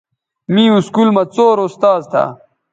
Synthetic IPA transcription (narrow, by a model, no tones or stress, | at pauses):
mĩːuskulmɐt͡soːɾost̪aːzt̪ʰa̰